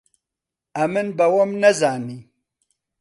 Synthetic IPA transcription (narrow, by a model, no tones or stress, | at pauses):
amənbawomnazɑːni